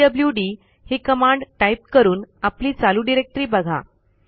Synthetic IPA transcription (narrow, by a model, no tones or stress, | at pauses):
əbljuɖiː | hikəmãɳɖʈaip̚kəɾuːnapliːt͡saluɖiɾek̚ʈɾiːbəɡʱa̰